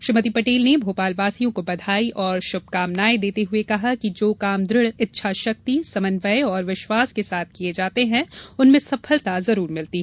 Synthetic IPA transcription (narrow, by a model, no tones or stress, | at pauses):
ʃɾɪmət̪ipɐʈeːlnebʱoːpaːlʋaːsijõkobɐd̪ʱaːiʔɔːɾʃʊb̚ʱkaːmnaːed̪eːt̪eɦʊekɐɦakid͡ʒoːkaːmd̪ɾɪɽɪtːʃʰaʃɐk̚t̪isɐmə̃nʋəjɔːɾʋɪʃwaːskesaːt̪̚ʰkied͡ʒaːt̪eɦɛ̃ʊnmẽsɐfʰəlt̪azɐɾuːɾmɪlt̪i